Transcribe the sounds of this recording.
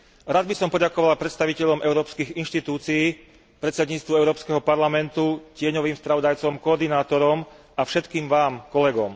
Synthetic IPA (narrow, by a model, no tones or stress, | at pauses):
ɾad̪̚bisɔmpɔɟakɔʋalpɾɛt̪st̪aʋicɛʎɔmʔɛʊɾɔːpskiɣinʃt̪it̪uːt͡siiː | pɾɛt̪sɛd̪ɲiːt͡st̪ʋuɛʊɾɔːpskɛɦɔpaɾlamɛnt̪ucɪɛɲɔʋiːmspɾaʋɔd̪ajt͡sɔmkɔɔɾd̪inaːt̪ɔɾɔm | afʃɛt̪kiːmʋaːmkɔlɛɡɔm